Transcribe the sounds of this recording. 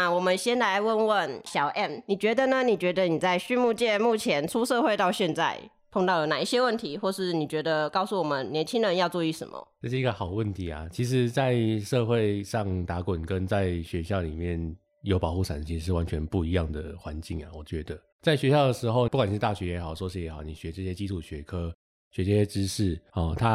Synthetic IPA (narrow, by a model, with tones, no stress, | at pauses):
a˥˧wɔ˨˩mə˦nɕjɛ˥nla˧˥ɪwə˥˧nwə˥˨˩nɕjɑ˨˩ʊʔɛ˥˩mni˨˩t͡ɕɥɛ˧˥d̪ə˨nə˨ni˨˩t͡ɕɥɛ˧˥d̪ə˧ni˨˩t͡sa˥˧ɪɕy˥˧nmu˥˧t͡ɕjɛ˥˧mu˥˩t͡ɕʰjɛ˧˥nt͡sʰu˥ʂɤ˥˧xwe˥˧ɪt̪ɑ˥˧ʊɕjɛ˥˧nt͡sa˥˧˩ɪ | pʰo˥˧ŋt̪ɑ˥˩ʊjo˧˩na˨˩i˥˩ɕjɛ˥wə˥˩nt̪ʰi˧˥xwɔ˥˧ʂɻ̩˥˩ni˨˩t͡ɕɥɛ˧˥d̪ə˧kɑ˥˧ʊsu˥˩wɔ˨˩mə˦nnjɛ˧˥nt͡ɕʰi˥ŋɻə˧˦njɑ˥˧ʊt͡sɔ˥˩y˧˥ʂə̰˧˦mə̰˩ɤ˥˧˩ʂɻ̩˥˩i˧˥ɡə˧xɑ˨˩ʊwə˥˩nt̪ʰi˧˥a̰˨t͡ɕʰi˧˥ʂ̬ɻ̩˧˦t͡sa˥˧ɪʂɤ˥˧xwe˥˧ɪʂɑ˥˨˩ŋt̪a˧˥kwə˨˩nkə˦nt͡sa˥˩ɪɕɥɛ˧˥ɕjɑ˥˩ʊlḭ˨˩mjɛ˥˨˩n | jo˧˥ʊpɑ˨ʊxu˥˩ʂʰa̰˨˩nt͡ɕʰi˧˥ʂɻ̩˧ʂ̬ɻ̩˥˩wa˧˦nt͡ɕʰɛ˧˦npu˥˩i˧˥jɑ˥˩ŋd̪ə˩xwa˧˦nt͡ɕi˥˩ŋa̰˨wɔ˨˩t͡ɕɥɛ˧˥d̪ə˧ | t͡sa˥˩ɪɕɥɛ˧˥ɕjɑ˥˩ʊd̪ə˩ʂɻ̩˧˥xo˥˧ʊu˥˩ka˨n̩˥˧˩t̪a˥˩ɕɥɛ˧˥jɛ˧˥xɑ˨˩ʊʂɔ˥ʂ̬i˧˥˩jɛ˧˥xɑ˨˩ʊni˨˩ɕɥɛ˧˥ʈ͡ʂɤ˥˧ɕjɛ˦t͡ɕi˥ʈ͡ʂʰu˨˩ɕɥɛ˧˥kʰɤ˥ | ɕɥɛ˧˥ɕjɛ˥ʈ͡ʂɻ̩˥ʂɻ̩˥˩ɔ˥˩t̪ʰa˦